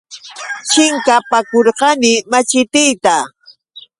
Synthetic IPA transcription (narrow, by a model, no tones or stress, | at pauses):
t͡ʃɪŋkapakoɾqɑnɪmat͡ʃɪt̪ɪjt̪a